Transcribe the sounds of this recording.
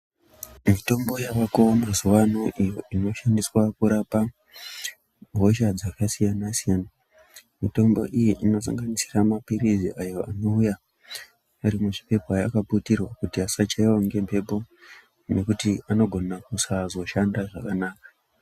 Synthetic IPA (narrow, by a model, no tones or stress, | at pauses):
mito̞mbo̞jaʋakoamazuwanoʔijo̞ʔino̞ʃandiswakuɾapa | ɦo̞ʃad͡zakasijanasijana | mito̞mbo̞̰ʔijiʔino̞s̬a̰ŋɡanisiramapiriziʔajo̞ano̞uja | aɾimuʐipe̞pajakaputirwakutiasat͡ʃaiwaŋɡe̞mpʰe̞po̞ | ne̞kutiano̞ɡʱo̞nakusazo̞ʃandaʐakanaːkḁ